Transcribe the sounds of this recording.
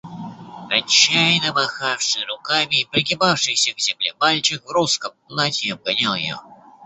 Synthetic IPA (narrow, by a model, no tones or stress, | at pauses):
ɐt͡ɕːajnəmɐxafʂɨɾʊkamʲɪːpɾʲɪɡʲɪbafʂɨjsʲəvzʲɪmlʲemalʲt͡ɕɪxvɾuskəmplˠatʲɪɐb̚ɡɐnʲalˠj̰jo̰